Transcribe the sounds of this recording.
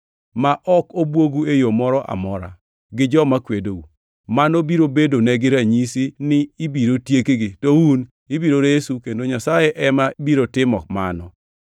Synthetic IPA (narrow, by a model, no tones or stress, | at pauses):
maʔɔkobwoɡuejomɔɾɔʔa̰mɔɾa̰ | ɡɪd͡ʒɔmakwedou | manobiɾobedonɛɡɪɾaɲisinɪːbiɾotjekeɡɪtowun | ibiɾoɾesukendoɲasajɛʔɛmabiɾotɪmɔkma̰nɔ